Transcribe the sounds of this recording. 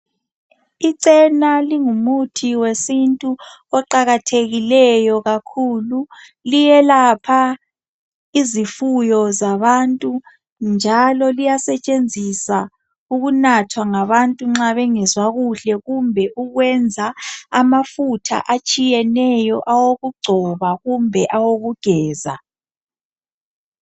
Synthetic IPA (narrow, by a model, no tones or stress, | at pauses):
iǀɛnaliŋumutʰiwesintʼu | ɔǃaɣatʰeɣilɛjɔɣakʰulu | lijɛlapʰa | izifujɔzaβantʼu | nd͡ʒʱalɔlijasɛt͡ʃʼend͡zʱisa | uɣunatʰwaŋaβantʼuŋ͡ǁaβɛŋɛzwaɣuɬɛɣumbʱɛʔuɣwɛnd͡zʱaamafutʰa̰ʔat͡ʃʼijɛnɛjɔʔawoɣuɡ͡ǀʱɔβaɣumbʱɛʔawoɣuɡ̥ʱɛːza̰